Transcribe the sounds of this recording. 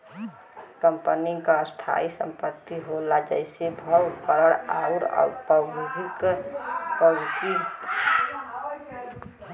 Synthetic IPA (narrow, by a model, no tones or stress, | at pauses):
kəmpəniŋɡkaəst̪ʰa̰isə̰mpət̪ːiɦolad͡ʒəɪsebʱəwɾpəɾəɽauɾa̰ʊɾpəmuɦik | kəki